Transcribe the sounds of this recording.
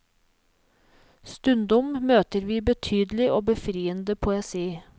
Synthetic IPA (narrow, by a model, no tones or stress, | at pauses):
st̪ʉnd̪ʊmmøːt̪əɾʋiːbət̪ʰyːd̪lɪʔoːbəfɾiːənd̪əpʰʊɛsiː